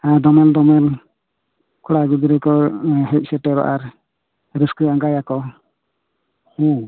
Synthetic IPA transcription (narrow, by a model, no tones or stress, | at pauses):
ad̪ɔmɛld̪ɔmɛl | kʰɔɽaɡid̪iɾɛkɔɦɛc̚ˀsɛʈɛɾɔ̰ʔaɾ | ɾiskiaŋɡajakɔ | hu